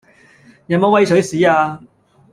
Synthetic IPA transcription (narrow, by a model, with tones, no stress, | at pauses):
jɐ˨˥mo˨˧wɐ˧jsʰɵ˨˥ɥsiː˨˥aː˧